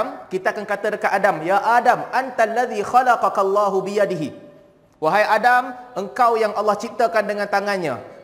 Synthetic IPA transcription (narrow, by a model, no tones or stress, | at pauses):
mkit̪aakankat̪ərkaʔadamjaʔadamʔant̪alːaðixalɑqɑkalːɑːɦubijadiɦi | waɦajʔadamʔəŋkawjaŋʔɑlːɑht͡ʃip̚t̪akandəŋãnt̪aŋanɲã̰